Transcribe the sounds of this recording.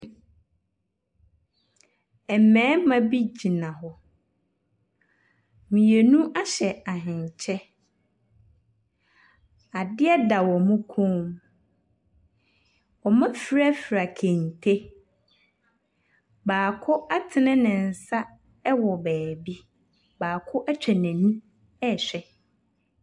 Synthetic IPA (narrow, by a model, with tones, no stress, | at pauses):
ɛ˨mɛ̃ː˨˦mã˦bi˦d͡ʑi˨nã˨ɦɔ˦ | mĩ˨je˨nũ˦ʔa˦ɕɛ˨a˨ɦɪ̃˨ɲ˨t͡ɕʰɛ˦ | a˨dɪ˦ɛ˦da˨wɔ˨mũ˦kʰõ˦m | ɔ˨mã˦fi˦ɾa˦fɾa˨kʰẽ˨n˨tʰe˦ | baː˨kʰʊ˦a˦tʰɪ˨nɪ̃˦nɪ̃˨n̩˨sa˦ | ɛ˦wɔ˨bæː˨bi˦ | baː˨kʰʊ˦ʔa˦t͡ɕᶣʰɛ˨nɛ̃˨nũ˦ | ɛ˦˨ɕᶣɛ˦